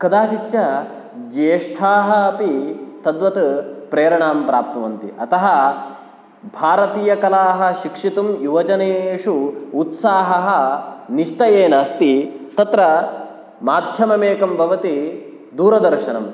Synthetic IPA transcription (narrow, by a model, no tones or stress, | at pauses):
kɐd̪aːt͡ʃit̪jɐ | d͡ʒeːʂʈʰaːɦɐɐpit̪ɐd̪ʋɐt̪upɾeːɾɐɳaːmpɾaːp̚t̪ɐʋɐnt̪ḭʔɐt̪ɐɦɐ | bʱaːɾɐt̪iːjɐkɐlaːɦɐ̆ʃikʂit̪umjuʋɐd͡ʒɐneːʂuːt̪saːɦɐɦɐniʂʈɐjeːnɐst̪it̪ɐt̪ɾɐ | maːd̪ʱjɐmɐmeːkɐmbʱɐʋɐt̪i | d̪uːɾɐd̪ɐɾʃɐnɐm